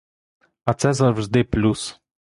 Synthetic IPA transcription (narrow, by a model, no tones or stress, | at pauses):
at͡sɛzavzd̪eplus